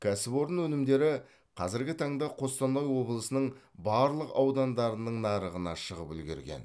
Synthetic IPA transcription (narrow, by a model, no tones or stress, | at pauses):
kʲʰæsɪbo̞ɾənwɵnɪmd̪e̞ɾɪ | qʰɑzɪɾɡʲɪt̪ʰɑɴd̪ɑqʰo̞st̪ɑnːɑjwo̞bəlˠəsənəɴbɑɾlˠəqɑwd̪ɑnd̪ɑɾənəɴnɑɾəʁənɑʃəʁəpʏlɡʲḛɾɡʲḛn